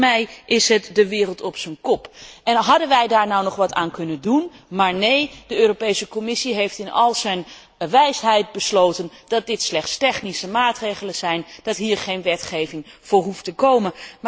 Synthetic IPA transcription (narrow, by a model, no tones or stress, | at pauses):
mɛjʔɪsɦətdəʋɪːrəlˠtɔpsənkɔpɛnɦɑdənʋɛjdaːɹnɔwnɔχʋɑta̰ːnkɵnəndunmaːɹnejd̥əøːropejsəkɔmɪsiɦejftɪnɑ̰lˠzɛjn | ʋɛjsɦɛjt̚bəslowtənd̥ɑt̚dɪtslɛχtstɛχnisəmaːtrejχələnz̥ɛjnd̥ɑtɦiːɹχejnʋɛtχejvɪŋv̥ʊːɹɦuftəkowmən